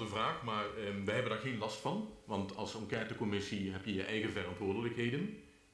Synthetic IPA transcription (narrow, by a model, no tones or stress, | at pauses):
dəvraːxmaːrʋəɦɛbəndaːɹɣenlɑstfɑnʋɑntɑlˠsɑŋkɛːtəkɔmɪsiɦɛpjəjəʔɛjɣəvərɑntʋʊːɹdələkɦeːjdən